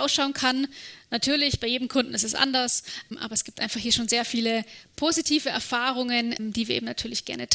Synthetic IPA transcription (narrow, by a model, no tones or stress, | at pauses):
aʊsʃaʊnkʰannatʰyːɐlɪçb̥aɪjeːdəm̩kʰʊndn̩ɪstɛsʔa̰ndɐsmʔa̰ːbɐɛsɡ̥iːptʔaɪnfaχhiːɐʃoːnzeːɐfiːləpʰozitʰiːvəɛ̰ɐfaːʁ̞ʊŋənmd̥iːviːɐḛːm̩natʰyːɐlɪçɡ̥ɛ̰ɐnətʰ